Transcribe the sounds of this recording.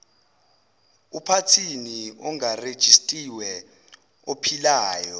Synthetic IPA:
upʰatʰiniɔŋared̥ʒ̥ʱistʼiwɛ | opʰilaːjɔ

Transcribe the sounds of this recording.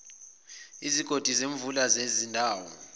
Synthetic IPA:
iziɡ̥ʱod̥ʱizeɱvulazezindʱaːwɔ̰

